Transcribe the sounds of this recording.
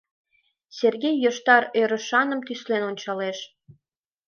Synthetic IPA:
serɣejːəʃt̪ɑɾøɾə̆ʃɑnə̆mt̪yslenonʲt͡ɕɑleʃ

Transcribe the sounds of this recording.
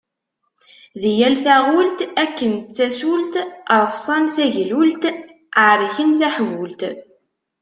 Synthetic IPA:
ðijælθæʁʊlt̪ækːənt͡sːæsult̪əɾˤəsˤːɑnθæʝlult̪ | aɾˤiçənθæħvult̪

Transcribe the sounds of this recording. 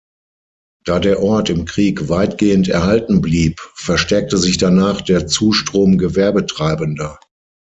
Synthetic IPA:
d̥aːdeːɐʔɔɐtɪmkʁ̥iːkvaɪtɡ̥eːəntɛɐhaltn̩bliːpfɛɐʃtɛɐk̚təzɪçd̥anaːχd̥eːɐt͡suːʃtʁ̥oːmɡəvɛɐbətʁ̥aɪbəndɐ

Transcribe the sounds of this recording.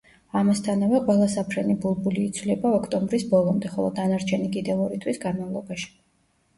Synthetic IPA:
amast̪ʰanavɛqʼwɛlˠasapʰɾɛnibulˠbuliːt̪sʰvlɛbaɔkʰt̪ʼɔmbɾisbɔlˠɔmd̪ɛχɔlˠɔ̰d̪anaɾt͡ʃʰɛnikʼid̪ɛvɔɾit̪ʰwisɡanmavlˠɔbaʃi̥

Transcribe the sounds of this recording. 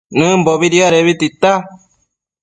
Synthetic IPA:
nɨ̃mboβiɾjaɾeβit̪it̪a

